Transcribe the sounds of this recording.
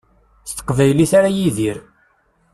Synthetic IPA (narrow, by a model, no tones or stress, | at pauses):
st̪ːə̥qːvæjliθaɾajiðiɾ